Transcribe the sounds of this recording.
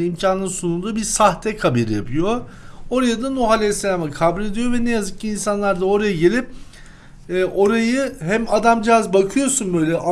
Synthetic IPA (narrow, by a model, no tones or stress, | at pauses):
imcʰanˠɯsunund̪uːbiɾsaht̪ʰɛkʰabeɾija̰pʰɯjo̞ | o̞ɾajad̪anuɦalʲɛsːelʲaːmɯkʰabulʲe̞d̪ijo̞vɛnɛjazɯk̚ciːnsanlˠaɾd̪ao̞ɾajaɟe̞lʲip̚ː | ʔo̞ɾajɯɦæmad̪amd͡ʒiazbakʰɯjo̞sunbø̞jlʲɛʔa